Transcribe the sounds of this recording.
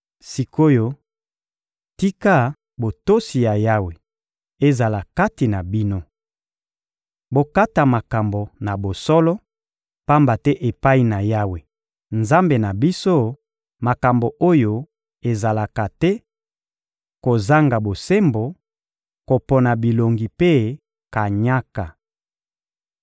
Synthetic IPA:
si˨ko˦jo˦ | ti˦ka˦ | bo˨to˦si˨ja˨ja˦we˨ | e˨za˨la˨ka˦ti˨na˨bi˦no˦ | bo˨ka˦ta˨ma˨ka˨mbo˨na˨bo˨sɔ˦lɔ˦ | pa˦mba˨tɛ˦ʔe˨pa˦i˦na˨ja˦we˨ | nza˦mbe˨na˨bi˦so˦ | ma˨ka˨mbo˨ʔo˦jo˦ | e˨za˨la˨ka˨tɛ˦ | ko˨za˦ŋɡa˨bo˨se˦mbo˨ | ko˨pɔ˨na˨bi˨lo˨ŋɡi˨pe˦ | ka˨ɲa˦ka˨

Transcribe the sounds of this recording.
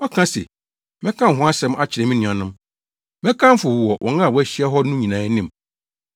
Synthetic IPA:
ɔ˦kʰã˦sḛ˨ | mɛ̃˦kʰã˦˨ɦʊ̃˦a˦sɛ̃˦m˦a˦t͡ɕʰɪ˨ɾɛ˨mĩ˦nũ˨ã˨nʊ̃˦m | mɛ̃˦kʰã˦m˦fʊ˨wwɔ˨wʔɔ̰̃˨ŋã˦˨wɔ˦æ˦ɕi˦ɛ˦ɦɔ˦nũ˦ɲĩ˨nãː˨˦nĩ˨m˨

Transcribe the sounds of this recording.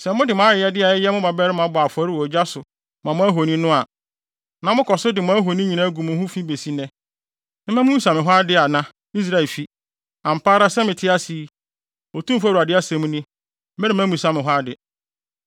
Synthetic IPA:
sɛ˨˦mʊ̃˦dɪ˨mã˦ɪ˨jɛ˦dɪ˦a˨ɪ˦jɛ˦mʊ̃˦ba˨bɛ˦ɾɪ˦mã˨˦bʊ˨a˨fɔ˨˦ɾɪ˦wɔ˨d͡ʑa˦sʊ˨ | mã˨mʊ̃˦æ˦ɦo˨nĩ˦nʊ̃˦a˨ | nã˨mʊ̃˦kʰɔ˨sʊ˦dɪ˨mʊ̃˦æ˦ɦo˨nĩ˦ɲĩ˨nã˦ɡu˨mʊ̃˨˦hũ˦fĩ˦be˨si˦nɛ̃˨ | nɪ̃˦mɛ̃˦mũ˦ũ˦sã˨mɪ̃˨ɦʷwa˦dɪ˦a˨nã˦ | i˦s̬ɾa˦ɛ˨lfi˦ | ã˨m̩˨pʰaː˦ɾa˦sɛ˦mɪ̃˨tʰɪ˦a˦si˨˦ | o˨tʰũ˦m˦fa˦ɾu˨a˨dɪ˦a˦sɛ̃˨m̃˦nĩ˦ | mɛ˦nɪ˨mã˦mũ˨sã˦mɪ̃˨ɦwa˦dɪ˨

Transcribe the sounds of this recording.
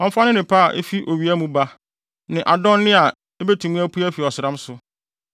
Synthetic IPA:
ɔ̃˦m̩˦fa˦nɪ̃˦nɪ̃˨pʰa˦˨ʔḛ˦fi˦ʔo˨ɥi˨˦æ˦mũ˦ba˦ | nɪ̃˨ʔa˨dɔ̃˦n˦nɪ̃˦a˨ | e˦be˦tʰũ˨mũ˦æ˦pʰu˦æ˦fi˨ɔ˨sɪ˨ɾã˦msʊ˨

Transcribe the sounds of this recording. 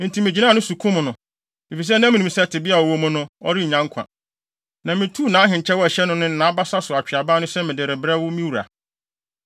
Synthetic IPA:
n̩˨tʰĩ˨˦mɪ̃˨d͡ʑi˦nã˦˨nʊ̃˦su˨kʰũ˦mʊ̃˨nʊ̃˨ | mi˨fi˨s̬ɛ˦nã˦mĩ˨nĩ˨msɛ˦˨tʰɪ˨bɪ˦a˨ɔ˨wo˦mʊ̃˦nʊ̃˦ɔ̰˦ɾi˦˨ɲã˦ŋkʰã̰˨ | nã˨mɪ̃˨tʰu˦˨nã˨˦ɦɪ̃˨ɲ˨t͡ɕʰɛ˦wɔ˦æ˨ɕɛ˦nʊ̃˦nʊ̃˦n̩˨nã˨˦ba˦sa˦sʊ˨a˨t͡ɕᶣɪ˨a˨baː˦nʊ̃˦sɛ˦mɪ̃˨dɪ˨ɾɪ˨bɾɛ˦wʊ˦mĩ˦wu˨ɾa̰˨

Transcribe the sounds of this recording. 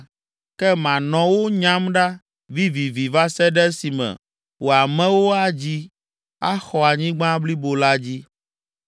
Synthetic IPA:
kɛ˦mã˨nɔ̃˨wo˦ɲã˦mɖa˦ | vi˦vi˨vi˨va˦sɛ˦ɖɛ˦si˨mɛ̰˨ | wo˨a˨mɛ̃˦wo˦a˦d͡ʑi˦ | a˦xɔ˨a˨ɲĩ˦ɡ͡bã˦bli˦bo˨la˦d͡ʑi˦

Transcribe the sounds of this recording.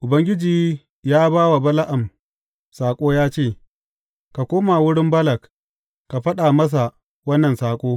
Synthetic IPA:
ʔʊ˨bɐ˦ŋɡʲɪ˦d͡ʒiː˦˨ | jaː˦baː˦wa˨bɐ˦la˦ʔa˨m | saː˨kʷʼoː˦jaː˦t͡ʃeː˦˨ | ka˨kʷoː˦ma˨wʊ˦ɽɪ˦mbɐ˦lɐ˨k | ka˨ɸɐ˦ɗa˨mɐ˦s̬a˨ | wɐ˦nːɐ˨nsaː˦kʷʼoː˦

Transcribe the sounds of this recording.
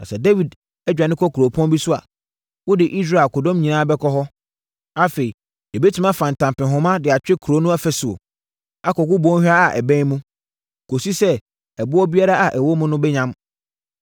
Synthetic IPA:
nã̰˨sɛ˨dɛ˦wi˨d | ɛ˦d͡ʑᶣa˨nɪ̃˦kʰɔ˦kʰo˨pʰɔ̃˦nbi˦sʊ˦a˨ | wʊ˦dɪ˨ʔi˦s̬ɾa˦˨ko˨dɔ̃˦mɲĩ˨nãː˦bɛ˦kʰɔ˦ɦɔ˦ | a˦fe˨i˨ | ɛ˨be˦tʰi˨mã˦fã˨n̩˨tʰã˨mpɪ̃˨ɦʊ̃˦mã˦dɪ˨a˨t͡ɕᶣɪ˦kʰu˨ɾo˦nʊ̃˦a˦fɛ˦sʊ˨o̰˨ | a˦kɔ˨kʊ˦bɔ̃˦hᶣa˦a˨ʔɛ˨bɛ̃˦mũ˦˨ | kʰo˨si˦sɛ˦ | ɛ˨bʊ˦ɔ˦bi˦a˦ɾa˦ʔa˨ʔɛ˨wo˦mʊ̃˦nʊ̃˦bɛ˦ɲã˦m

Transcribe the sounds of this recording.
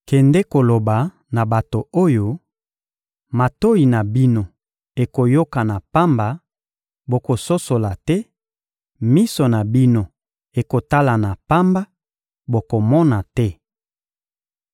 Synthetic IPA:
kɛ˨ndɛ˦ko˨lo˨ba˨ | na˨ba˨to˨o˦jo˦ | ma˨to˦i˨na˨bi˦no˦ | e˨ko˨jo˦ka˨na˨pa˦mba˨ | bo˨ko˨so˦so˨la˨tɛ˦ | mi˦so˨na˨bi˦no˦ | e˨ko˨ta˦la˨na˨pa˦mba˦ | bo˨ko˨mɔ˦na˨tɛ˦

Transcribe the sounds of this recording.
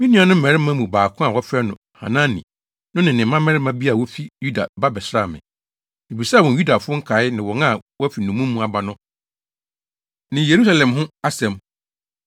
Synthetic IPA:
mɪ̃˦nĩ˦ã˨nʊ̃˦m̩˦mɛ̃˨ɾɪ˦mã˦mũ˨baː˨kʰʊ̃˦a˨wɔ˦fɛ˦nʊ̃˨ | hã̰˨nã˦nḭ̃˨ | nʊ̃˦nɪ̃˨nɪ̃˨˦mã˦mɛ̃˦ɾɪ˦mã˦bi˦a˨wɔ˦fi˦ju˦da˨ba˦bɛ˨sɾa˦˨mɪ̰̃˨ | i˨bi˨sa˦˨wɔ̃˨n˨ju˦da˨fʊ˦ʊ˦ŋ̩˦kʰa˨˦ɪ˦nɪ̃˨wɔ˨nã˦˨wɔ˦fi˨nũ˨mũ˦mːũ˦a˨ba˨nʊ̃˦ | nɪ̃˨je˨ɾu˦sa˨lɛ̃˨mhʊ̃˦a˦sɛ̃˨m

